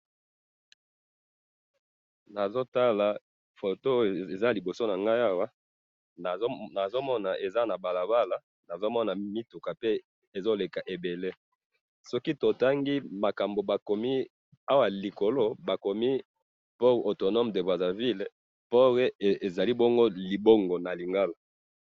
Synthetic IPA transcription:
na˨zo˦ta˦la˨ | fo˨to˦e˨za˦li˨bo˨so˦na˨ŋɡa˦ja˦wa˦˨˦ | na˨zo˦mɔ˦na˨ʔe˨za˦na˨ba˨la˨ba˦la˨ | na˨zo˦mɔ˦na˨mi˦tu˨ka˨pe˦ | e˨zo˦le˨ka˨ʔe˨be˨le˦ | sɔ˦ki˦to˨ta˦ŋɡi˦ma˨ka˨mbo˨ba˨ko˨mi˦ | a˦wa˨li˨ko˨lo˦ba˨ko˨mi˦ | pɔ˦ʁo˨to˨nɔ˦mde˨bʁa˨za˨vi˦l | po˦ʁe˦˨e˨za˨li˦bo˦ŋɡo˦li˨bo˦ŋɡo˨na˨li˨ŋɡa˦la˨

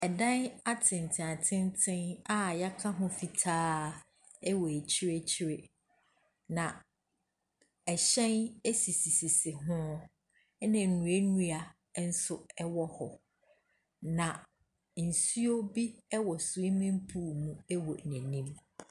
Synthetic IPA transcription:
ɛ˨dã˦na˦tʰɪ̃˨n˨tʰɪ̃˨a˨tʰɪ̃˦n˦tʰɪ̃˦na˦˨ja˦kʰã˦ɦʊ̃˦fi˨tʰaː˦ | ɛ˦wɔ˨e˨t͡ɕʰɪ˦ɾe˦t͡ɕʰɪ˦ɾe˦ | nã˨ | ɛ˨ɕɛ̃˦ne˦si˨si˨si˨sɪ˨ɦʊ̃˦ | nɪ̃˨nũ˨e˦nũ˦a˨˦ | n̩˦sʊ˨ɛ˦wɔ˦hɔ˨ | nã˨ | n̩˨su˦o˦bi˦ɛ˦wɔ˨su˨i˦mɪ̃˦m˦pʰu˦˨mũ˦ɛ˦wɔ̰˨næ̃˨nĩ˦m

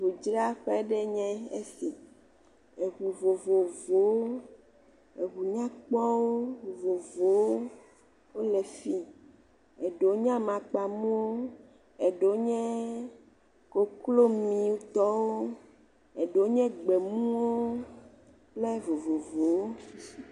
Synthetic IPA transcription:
vo˨d͡ʒɾa˦ɸe˦ɖe˦ɲɛ̃˦e˦si˨ | e˨ɣu˨vo˨vo˨vo˨˦ | e˨ɣu˨ɲã˦k͡pɔ˦wo˦˨vo˨vo˨wo˦ | wo˦le˨fi˦ | e˨ɖo˨˦ɲã˦mã˨k͡pa˨mũ˦wo˦ | e˨ɖo˨˦ɲɛ̃˦ | ko˨klo˦mĩ˨wo˦t̪ɔ˦wo˦ | e˨ɖo˨˦ɲɛ̃˦ɡ͡be˨mũ˦wo˦ | ple˦vo˨vo˨vo˨wo˦

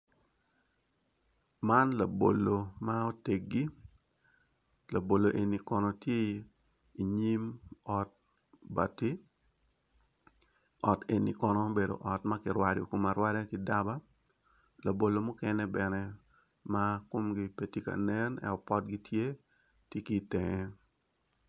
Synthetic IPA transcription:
ma˦nla˨bo̰˨lo˨ma˦o˦te˨k̚ɡi˦ | la˨bo˨lo˨ʔe˨ni˨kɔ˨nɔ˨tje˦ | i˨ɲi˦mɔ˨t̚ | ba˨ti˦ | ɔ˨te˨ni˨kɔ˨nɔ˨be˨do̰˨ʔɔ˨tma˦kɪ˨ɾwado̰˨ko˨ma˨ɾwa˦dɛ˦kɪ˨da˦ba˦ | la˨bo˨lo˨mʊ˦kɛ˦nɛ˦bɛ˨nɛ˦ | ma˦ko˦mɡi˦pe˦ti˦ka̰˨nɛ˦nɛ̰˦ɔ˨pɔ˦t̚ɡi˦tʰje˦ | tje˦ki˨tɛ˨ŋɛ˦

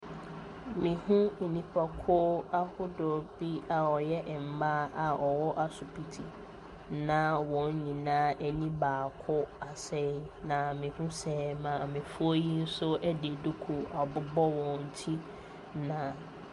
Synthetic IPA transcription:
mĩ˨hũ˦˨nĩ˨pʰa˨kʰʊ˦a˦hʊ˦dɔ˨bi˦a˨ɔ˨jɛ˦ʔm̩˨ba˦a˨ɔ˨wɔ˦ʔa˦sʊ˨pʰi˨tʰi˨ | nã˦wɔ̃˨ɲ˦ɲĩ˨nãː˦ɛ˦ɲĩ˦baː˨kʰʊ˦a˨sɛ˦nã˨mĩ˨hũ˦sɛ˦mã˨mɪ̃˨fʊ˦o˦ji˦n̩˦sʊ˦ɛ˦de˨du˦kʰu˨ɔ˨bʊ˦bɔ˦wɔ̃˨n̩˨tʰi˦ | nã˨

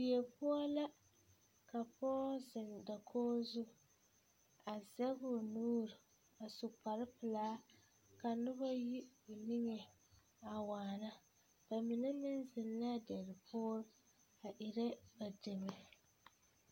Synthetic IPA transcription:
bi˨ɛ˨pʊ˦ɔ˦la˦ | ka˨pɔː˦zɪ˨nda˨kʰoː˦zʊ˦ | a˨zɛ˦ɡʊ˨nuː˦ɾɪ˨ | a˨sʊ˨k͡pa˨ɾɨ˦pɨ˨laː˦ | ka˨nʊ˦βa˦ji˦ʊ˨ni˦ŋe˨ | a˨waː˨na˦ | ba˨mɪ˨nɛ˦mɪ˦nzɪ˨nla˦dɛ˨ɾɪ˨pʊ˦ɔ˦ | a˨ʔi˨ɾɛ˦ba˨dɪ˨mɛ˨

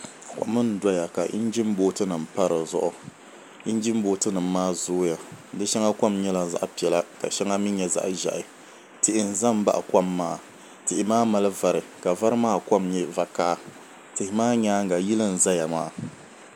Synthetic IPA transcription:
ka̰˨˦mɨ˦n˨da˦ja˨ka˨ʔḭ˦n˦d͡ʒi˦m˦boː˦tɨ˦nɨ˨m̩˨pa˦ɾɨ˨zʊ̰˦ʔʊ˨ | i˦n˦d͡ʒi˦m˦boː˦tɨ˦nɨ˨m˦mːaː˦zoː˦ja˨dɨ˦ʃɛ˦ŋa˦kʷa˦mɲɛ˦la˦˨za̰˦ʔpi˨ɛ˨la˦ka̰˨ʃɛ˦ŋa˦mi˦ɲɛ˨za̰˦ʔʒa̰˨ʔɪ˨ | tɪ˨ʔɪ˨n̩˨za˦m˦ba̰˦ʔa˨ka˦mːaː˦˨ | tɪ˨ʔɪ˨maː˦ma˨lɨ˦va˨ɾɨ˨ka˨va˦ɾɨ˦maː˦ka˦mɲɛ˦va˨kaː˦ | tɨ˨hɪ˨maː˦ɲaː˦ŋ˨ɡa˨ji˦lɨ˦n̩˨za˦ja˨maː˦

